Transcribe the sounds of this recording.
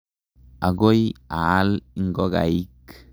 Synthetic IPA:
a˨ɡo˦ja˨˦li˦ŋ˦ɡɔ˦ɡa̰˨i˦k

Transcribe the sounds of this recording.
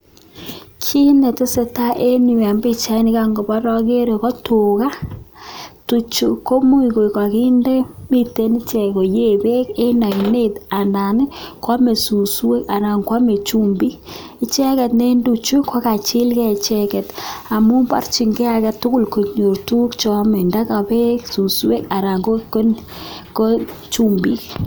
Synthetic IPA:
kʰi˦ne˨to˦se˨ta˦ʔe˦ni˨wa˨mbe˦˨t͡ʃa˦i˦ni˦ka˦ŋɡo˨ba˦ɾɔ˦ke˦ɾe˨kɔ˦to˨ka˦ | tu˨t͡ʃu˨ko˦mu˦i˨ko˨i˨ka˨ki˦nde˦mi˦te˨˦ni˦t͡ʃɛ˨ko˨je˦be˦ke˦na˨kne˦ta˨na˨n˦kwa˦me˨su˨su˦we˦ka˨ɾa˨ŋkwa˦me˨t͡ʃu˦mbi˦˨ | t͡ʃɛ˦kɛ˨tne˦ndu˨t͡ʃu˦ka˦ka˨t͡ʃi˦lkɛ˦˨t͡ʃɛ˦kɛ˨ta˨mu˦mba̰˦rt͡ʃi˨ŋɡɛ˦a˨kɛ˨tʊ˦kʊ˦lko˨ɲo˨ɾtu˦kt͡ʃɔ˨mɛ˨nda˦ka˨be˦ksu˨su˦we˦ka˨ɾa˨ŋɡo˦ko˦n | ko˦t͡ʃu˦mbi˦k

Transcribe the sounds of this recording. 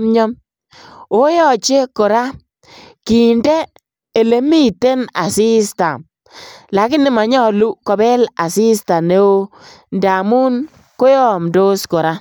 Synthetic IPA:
mɲɔ˦m | o˦jɔ˨t͡ʃe˦ko˨ɾa˦ | ki˨nde˦ | e˨le˨˦mi˦te˦na˨si˦sta˨ | la˨kɪ˦nɪ˦ma˨ɲɔ˦lu˦kɔ˨bɛ˦la˨si˦sta˨ne˨˦o˦nda˨mu˦n | ko˦jɔ˦˨mdo˦skɔ˨ɾa˦

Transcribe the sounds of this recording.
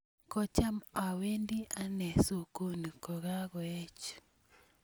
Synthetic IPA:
kɔ˦t͡ʃa˦ma˨we˦ndi˦ʔa˦nɛ˨so˨ko˦ni˨kɔ˨ɣa˦ɣɔ˨ɛ˦t͡ʃ

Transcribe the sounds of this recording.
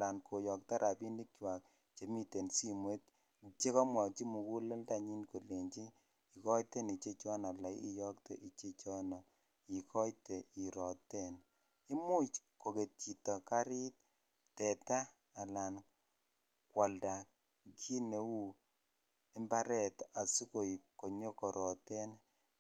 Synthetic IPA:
a˨la˨nkʰo˨jɔ˨k̚ta˦ɾʔa˨pi˦ndi˦kt͡ʃwa˨k̚ | t͡ʃe˨mi˦te˨nsi˦mwe˦t̚ | t͡ʃe˦kɔ˦mwɔ˨t͡ʃi˦mu˨ku˦lɔ˦lda˦˨ɲi˦nko˨le˨ɲt͡ʃi˦ | i˨kɔ˦jte˦ni˨t͡ʃe˦t͡ʃɔ˦na˨la˨i˦ḭ˦jɔ˦k̚te˨ʔi˨t͡ʃe˦t͡ʃɔ˦nɔ˨ | i˨kʰɔ˦jte˨i˨ɾɔ˨tɛ˦˨n | i˦mu˦t͡ʃko˨ke˨t̚t͡ʃi˨tɔ˨ka˦ɾi˦t̚ | tɛ˨ta˦ | a˨la˨n | kwa˨lda˨ | kʰi˦ne˨˦wu˦ | e˦mba˦ɾɛ˦˨ta˨su˦ko˨jko˨ɲo˦kɔ˨ɾʔɔ˨tɛ˦n

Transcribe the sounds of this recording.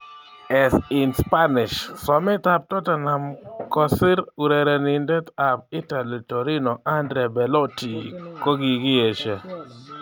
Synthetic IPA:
ɛ˨sɪ˨nspa˦nɪ˨ʃsɔ˨mɪ˦ta˨p̚tɔ˦ta˨na˨mkɔ˨sɪ˦ɾu˨ɾe˨ɾɛ˨ni˨ndɛ˦ta˨p̚ɪ˦ta˨li˨to˨ɾi˦nɔ˨ʔa˦ndɾɛ˨bɛ˨lɔ˦ti˨ko˦ɡi˨ɡɪ˦e˨ʃe˨

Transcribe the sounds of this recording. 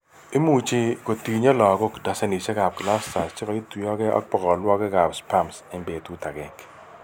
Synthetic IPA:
i˦mu˨t͡ʃi˦ko˨ti˨ɲɔ˦lɔ˨ɡɔ˦kda˨se˦ni˨t͡ʃɛ˦ɡa˨b̚kla˦sta˨st͡ʃɪ˦kɔ˨i˦twi˨ɔ˦ɡɛ˦ɔ̰˦k̚pɔ˨kɔ˨lwɔ˦ɡɛ˦ɡa˨bspa˦mse˦mbe˨t̪u˦ta˨ɡɛ˨ŋk

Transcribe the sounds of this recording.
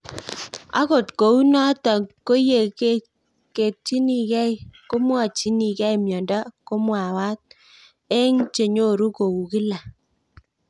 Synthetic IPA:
a̰˦ko˨tko˨u˦nɔ˦tɔ˨ko˦je˨ke˦ | ke˨t̚t͡ʃi˦ni˨kɛ˦jko˦mwɔ˦˨t͡ʃi˦ni˨kɛ˦jmjɔ˨ndɔ˦ko˦mwa˨wa˦t̚ | e˦ŋt͡ʃe˨ɲo˦˨ɾu˦ko˨u˨ki˦la˨

